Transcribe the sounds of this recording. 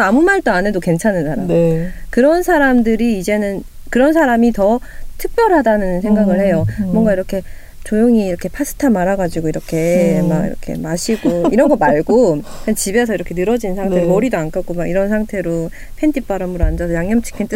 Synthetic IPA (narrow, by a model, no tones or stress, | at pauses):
amumaɭt͈oane̞doke̞nt͡ɕʰanɯnsʰaɾamkɯɾʌnsʰaɾamdɯɾiːd͡ʑe̞nɯn | kɯɾʌnsʰaɾamitʌtʰɯk̚p͈jʌɾɦadanɯnsʰeŋɡaɡɯɭhe̞jomwʌŋɡaiɾʌkʰe̞ | t͡ɕojoŋiːɾʌkʰe̞pʰas͈ʰɯ̥tʰamaɾaɡad͡ʑiɡoiɾʌkʰe̞maɡḭɾʌkʰe̞̰maɕʰiɡoiɾʌnŋɡʌmaɭɡokʰent͡ɕibe̞sʰʌiɾʌkʰe̞nɯɾʌd͡ʑinnsʰaŋtʰeɾomʌɾidoank͈ʰaɡ͈omaɡiɾʌnsʰaŋtʰe̞ɾo | pʰe̞ndip͈aɾamɯɾand͡ʑasʰʌjaŋɲʌmt͡ɕʰi̥kʰint͈ɯ